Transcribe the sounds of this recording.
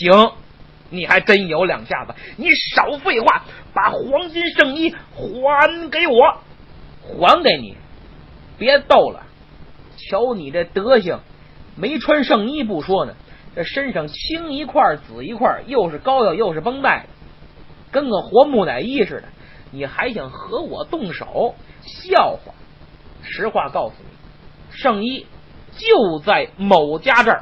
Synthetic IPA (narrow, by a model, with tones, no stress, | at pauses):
ɕi˧˥ŋ | ni˨˩xa˧˥ɪʈ͡ʂə˥njo˧˥ʊljɑ̰˨˩ŋɕja̰˥˩zə˨˩ni˧˥ʂɑ˨˩ʊfe˥˧ɪxwa˥˩pa˨˩xwɑ˧˥ŋt͡ɕi˥nʂɤ˥˧ŋi˥˩xwa˧˥nke˧˥ɪwɔ˨˧˥ | xwa˧˥nke˨˧˥ɪnḭ˨˩˦ | pjɛ˧˥t̪o˥˩ʊlə̰˩ | t͡ɕʰjo˧˥ʊni˨˩ʈ͡ʂə˥˩t̪ɤ˧˥ɕi˧˩ŋ | me˧˥ɪʈ͡ʂʰwa˥nʂɤ˥˧ŋi˥˧p̬u˥˩ʂwɔ˥nə̰˩ʈ͡ʂə˥˩ʂə˥nʂɤ˧˥˩ŋt͡ɕʰi˥ŋi˧˥kʰwa˥˩t͡sɹ̩˨˩i˧˥kʰwa̰˥˩jo˥˧ʊʂɻ̩˥˩kɑ˥ʊjɑ˧˩jo˥˧ʊʂɻ̩˥˩pɤ˥ŋt̪a˥˩ɪd̪ə˩kə˥nɡə˨˩xwɔ˧˥mu˧˩na̰˨˩ɪi˥˧ʂɻ̩˥˩d̪ə̰˩ | ni˨˩xa˧˥ɪɕjɑ˧˩ŋxɤ˧˥wɔ̰˨˩t̪ʊ˥˩ŋʂo̰˨˩˦ʊɕjɑ˥˩ʊxwa̰˥˩ | ʂɻ̩˧˥xwa˥˧kɑ˥˩ʊsṵ˩nḭ˨˩˦ | ʂɤ˥˩ŋi˥ | t͡ɕjo˥˧ʊt͡sa˥˩ɪmo˨˩ʊt͡ɕja˥ʈ͡ʂə˥˩